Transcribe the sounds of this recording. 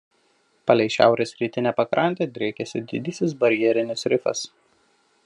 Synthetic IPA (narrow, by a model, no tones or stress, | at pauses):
pɐlʲɛɪʃʲæ̰ˑʊɾʲeːsɾʲiːt̪ʲɪnʲɛpɐkɾʔɐnʲt̪ʲeːd̪ʲɾʲekʲɛsʲɪd̪ʲɪd̪ʲiːsʲɪs̬bɐɾʲjɛɾʲɪnʲɪsɾʲɪfɐ̰s